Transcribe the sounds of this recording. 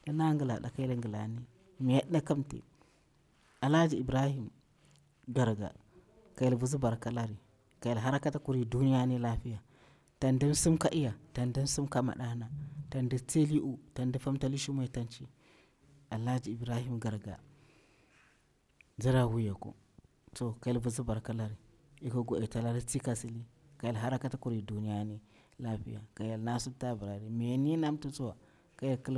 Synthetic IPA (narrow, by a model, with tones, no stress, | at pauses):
da˦na˦ŋɡi˨la̰˨da˨ka˦i˦la˦ŋɡə˨la̰˨ni˦ | mi˨ja˦ɗna˦ka˦mtḛ˨ | a˨la˦d͡ʒi˨i˨bɾa˦hi˦m | ɡa˨ɾɡa̰˨ | ka˨ji˨lbu˨zi˦ba˨ɾka˦la˦ɾi˨ | ka˨ji˨la˨ɦa˦ɾa˦ka˦ta˦ku˦ɾi˦du˦ni˦ja˦ni˦la˦fi˦ja˨ | ta˨nda˦n˦su˦mka˦ʔi˦ja˨ta˨nda˦n˦si˦mka˦ma̰˨ɗa˦na˨ta˨ndi˦t͡se˦li˦ʔu˦ta˨nda˦fa˦mta˦li˦ʃi˦mu˦a˨ta˦nt͡ʃi˦ | a˨la˦d͡ʒi˨i˨bɾa˦hi˦mɡa˨ɾɡa̰˨ | za˦ɾa˦wu˦ja˨ko̰˨ | to˨ka˨ja˦lbu˨zi˦ba˨ɾka˦la˦ɾi˨ | i˦ka˦ɡo˨e˨ta˦la˦ɾi˦t͡si˦ka˦si˦li˦ | ka˨ja˨lɦa˦ɾa˦ka˦ta˦ku˨ɾi˨du˨ni˦ja˦ni˦ | la˦ɸḭ˦ja˨ka˨ja˨lna˦su˦ta˦bə˨ɾa˨ɾi˨mi˨jni˦na˦mtu˦t͡su˦wa˨ | ka˦ja˦˨ki˦l